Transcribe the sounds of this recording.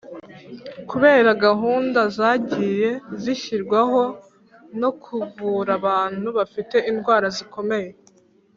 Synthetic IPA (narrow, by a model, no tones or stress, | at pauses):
kuβe̞ːɾaɡaɦuːndazaːɟiːje̞ziçiɾɡwaɦo̞ | no̞kʰuvuːɾaβaːn̥huβafite̞inɡwaːɾaziko̞me̞je̞